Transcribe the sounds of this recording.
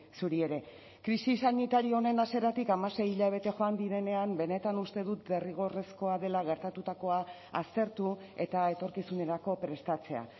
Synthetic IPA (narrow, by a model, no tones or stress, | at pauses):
suɾie̞ɾe̞ | kɾisisanit̪aɾioone̞nase̞ɾat̪ikamase̞jiʎaβ̞e̞t̪e̞ʝo̞and̪iɾe̞ne̞ambe̞ne̞t̪anust̪e̞ðut̪̚be̞riɣ̞o̞re̞sko̞aðe̞laɣ̞e̞ɾt̪at̪ut̪ako̞a | ast̪e̞ɾt̪u | e̞t̪ae̞t̪o̞ɾkisune̞ɾako̞pɾe̞st̪at͡se̞a̰